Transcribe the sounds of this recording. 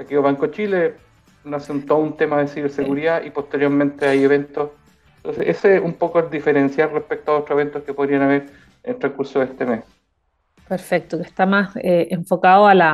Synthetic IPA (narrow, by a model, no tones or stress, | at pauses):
t̪akeoβaŋkot͡ʃile | noseunt̪ount̪emaðesiβeɾseɣuɾiðaʔipo̞ht̪eɾjoɾme̞nt̪eajeβent̪os | nt̪onseʔeseumpokoeld̪ifeɾensjalrehpek̚t̪oaðotɾoeβe̞nt̪oskepo̞ðɾianaβeɾ | eltɾekuɾsoðeht̪emes | peɾfek̚t̪okeht̪amaseʔeɱfokaðoala